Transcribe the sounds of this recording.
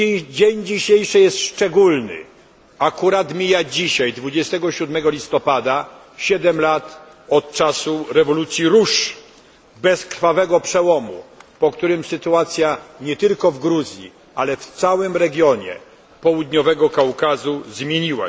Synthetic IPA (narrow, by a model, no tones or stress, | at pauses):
d͡ʑeɲd͡ʑiɕejʂɘjɛst̪ʂt͡ʂɛɡulnɘ̰ | akuɾat̪mʲijad͡ʑiɕajd̪vud͡ʑɛst̪ɛɡɔɕud̪mɛɡɔlʲist̪ɔpad̪a | ɕɛd̪ɛmlat̪ | ɔt̪̚t͡ʂasuɾɛvɔlut̪sʲjiɾuʂ | bɛskɾ̥favɛɡɔpʂɛwɔmṵpɔkt̪uɾɘmsɘt̪uat̪sʲjaɲɛt̪ɘlkɔvɡɾuzʲjḭ | alɛft̪sawɘmɾɛɡʲjɔɲɛ̰ | pɔwud̪ɲɔvɛɡɔkawkazuzmʲjeɲiwa̰